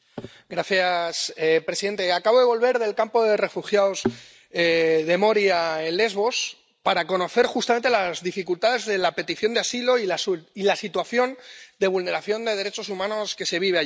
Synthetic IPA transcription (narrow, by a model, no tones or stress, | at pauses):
ɡɾaθjasepɾesiðe̞nt̪e̞akaβo̞ðe̞βo̞lβe̞ɾðe̞lkampo̞ðe̞re̞fuxjaoz | eðe̞mo̞ɾjaenle̞zβo̞s | paɾako̞no̞θe̞ɾxust̪amnt̪elazðifikult̪aðe̞zðe̞lape̞t̪iθjo̞nd̪easilo̞iasilasit̪waθjo̞nd̪e̞β̞ulne̞ɾaθjo̞nd̪e̞ð̞eɾe̞t͡ʃo̞sumãno̞ske̞se̞βiβ̞ea